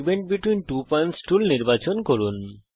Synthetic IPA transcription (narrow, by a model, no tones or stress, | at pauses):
beɳʈ̚biʈwinʈupɔjɳʈsʈulniɾbat͡ɕonkoɾun